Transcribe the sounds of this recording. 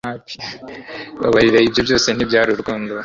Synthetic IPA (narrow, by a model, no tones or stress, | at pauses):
ap | βa̰βaɾiɾeibjo̞bjo̞ːsen̥ibjaːɾuɾɡoːndo